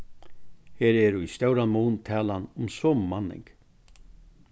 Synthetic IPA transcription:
heːɾɛɾʊist̪œwɾanmuːnt̪ʰɛːlanʊmsɔːmmanɪ̰ŋk

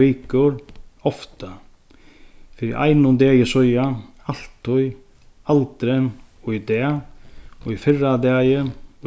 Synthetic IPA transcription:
iːkʏɾɔft̪a | fɪɾɪ̰ʔa̰jnʊnd̪ɛːjɪsɔja | al̥t̪ʰːʊj | alt̪ɾɛnɔɣid̪ɛː | ɔɣifɪrːad̪aːjɪn

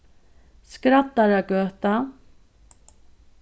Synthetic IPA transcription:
skɾat̪ːaɾaɡøːt̪a

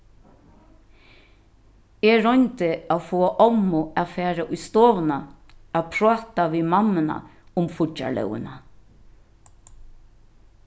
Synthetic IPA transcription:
eɹɔjnt̪əaːwfoːaʔɔmʊafæːɾaʔʊjst̪oːʋənaaːpʰɾɔːt̪aʋiːmamːəna̰ʊmfʊa̰lɛ̰wə̰na

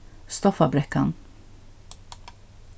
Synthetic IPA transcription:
st̪ɔfabɾɛka̰n

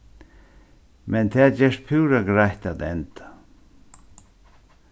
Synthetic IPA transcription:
mɛnt̪ʰɛːd͡ʒɛːʂt̪̚pʰʉːɾaɡɾajht̪at̪ɛnt̪ḁ

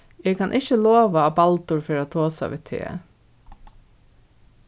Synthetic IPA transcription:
eːkʰanʔɪht͡ʃəloːʋaːbalt̪ʊɹfeːɾɪat̪ʰoːsa̰ʋɪ̰ːt̪ʰḛː

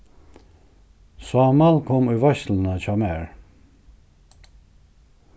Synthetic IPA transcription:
swamalkʰɔmuvaʃlnat͡ʃʰamɛɾ

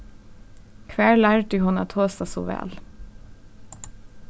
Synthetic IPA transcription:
kʰʋæːɭæːɹdyːhʊnɑ̰t̪ʰoːst̪ɑsṵːʋɛ̰ːl

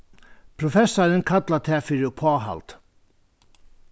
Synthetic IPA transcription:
pʰɾʊfɛsːaɾənkʰat̪lat̪ʰɛːfɪɾʏpʰɔːɦa̰lt̪

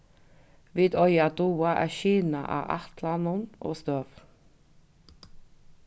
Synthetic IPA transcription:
ʋiːd̪ɔʏɑd̪uːɑʔæ̰ːʃiːnɑ̰ʔɑ̰ːʔɑ̰t̪lɑnʊnʔo̰ːst̪øːʋ

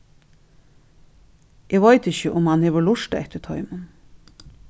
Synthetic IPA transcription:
ʔeːɡʋɑɪt̪ɪçəʔʊmhɑnheːʋəɭlʊʂt̪ɛ̰ht̪ət̪ʰɑʏmən

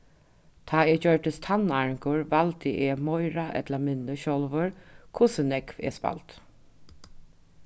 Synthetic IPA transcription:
t̪ʰaːɛːd͡ʒœʈəst̪ʰanaɹɪŋkʊɹʋalt̪ɪʔeːmɔjɹaʔɛ̰t̪lamɪnːəʃɔlʋəɹkʰʊsənɛkvɛ̰ːspa̰lt̪

